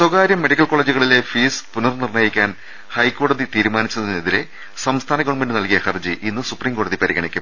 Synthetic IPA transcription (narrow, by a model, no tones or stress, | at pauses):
swoɡaːɾjɐmːe̞ɽikʲːɐlkoɭeːd͡ʑuɣɐɭile̞fiːspunɐrnirnɐjikʲːaːn | hɐjkːo̞ːɽɐðit̪iːɾumaːnit͡ɕːunɐðinːeðiɾe̞ | sɐmst̪ʰaːnɐɡɐʋɐɳmenɖɨnɐlkijɐhɐrd͡ʑiʔinːɨsupriːŋko̞ːɽɐðipɐɾiɣɐɳikʲːum